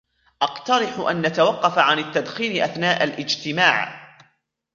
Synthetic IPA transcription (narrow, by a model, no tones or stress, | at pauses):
ʔɑqt̪ɑɾɪħʊʔa̰nːʔat̪awɑqːɑfaʕanat̪ːad̪xiːnɪʔaθnaːʔalʔɪd͡ʒt̪ɪmaːʕ